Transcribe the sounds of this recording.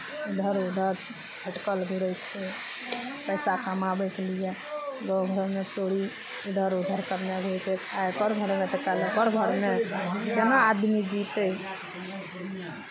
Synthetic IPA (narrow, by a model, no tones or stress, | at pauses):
ud̪ʱəɾud̪ʱəɾ | bʱəʈkəlɡʱuɾəjt͡ʃʰɛ | pəjsakəmabəkelijeɡɔɡʱəɾmet͡ʃoɽi | id̪ʱəɾud̪ʱəɾkəɾneɡʱet͡ʃʰɛajkəɾɡʱəɾmeʈ̪əkɛlekəɾɡʱəɾmekenaːd̪mid͡ʒit̪ə